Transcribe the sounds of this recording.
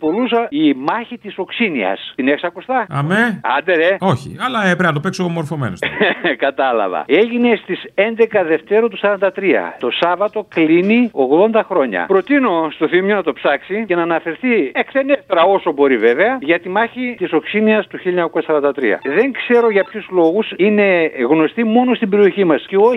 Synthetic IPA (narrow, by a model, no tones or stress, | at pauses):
po̞lusimɐçit̪iso̞ksiniɐ̰st̪ineksɐkust̪ɐɐmeɐ̰nd̪eɾeo̞çḭɐlɐepɾeɐnɐt̪opeksomo̞ɾfo̞menoskɐt̪ɐlɐ̰vɐ̰e̞ʝine̞st̪ise̞nd̪e̞kɐðe̞ft̪e̞ɾot̪usɐɾɐnd̪ɐt̪ɾiɐ̰t̪o̞sɐvɐt̪o̞klinio̞ɣðo̞nd̪ɐxɾo̞ɲɐ̰pɾo̞t̪ino̞st̪o̞θimjonɐt̪o̞psɐksice̞nɐːnɐfe̞ɾθiekseneft̪ɾɐo̞so̞bo̞ɾive̞ve̞ɐʝɐt̪imɐçit̪iso̞ksiniɐst̪uçiloɲɐko̞sɐsɐɾɐnd̪ɐt̪ɾḭɐ̰ðe̞ŋkse̞ɾo̞ʝɐpçuzlo̞ɣusine̞ɣno̞st̪imo̞no̞st̪ibe̞ɾio̞çimɐsceo